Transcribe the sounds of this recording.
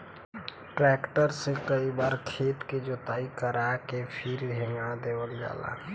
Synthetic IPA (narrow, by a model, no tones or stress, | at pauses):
ʈɾɛːkʈəɾsekəibaːɾkʰeːt̪ked͡ʒoːt̪aːikəɾakepʰiɾʱeŋɡad̪eːwəld͡ʒa̰ːla̰